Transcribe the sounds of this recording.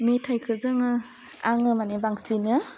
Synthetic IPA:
metʰajkʰɯzɯŋɯ | aŋɯmanibaŋsinɯ

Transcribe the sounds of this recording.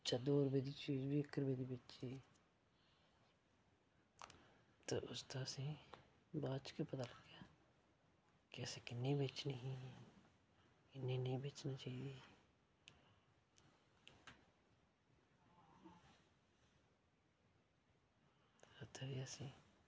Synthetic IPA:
t͡ʃad̪oːɾbed̪it͡ʃiːd͡ʒbʱikəɾbed̪ibetːt͡ʃi | t̪o̰ʔʊst̪asĩ | baːt͡ʃkepɐt̪alɐɡjaː | kɛːsekɪnːebeːt͡ʃneɦĩ | ɪnːenɐɦĩbeːt͡ʃnat͡ʃaːɦie | ɐt̪əɾijasĩ

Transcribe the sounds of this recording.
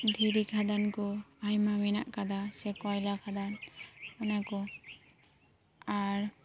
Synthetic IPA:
d̪ʱiɾikʰad̪ankɔajmamɛna̰ʔkad̪asɛkɔjlakʰad̪anɔnakɔ | aɾ

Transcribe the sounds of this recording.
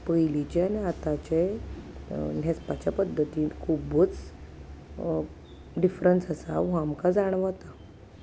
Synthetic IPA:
pəjlit͡ɕeaniat̪at͡ɕe | nespat͡ɕjapəd̪ʱːət̪iːkʰubət͡s | ɖifɾənsəsaɦamkad͡zaɽ̃ʋat̪a

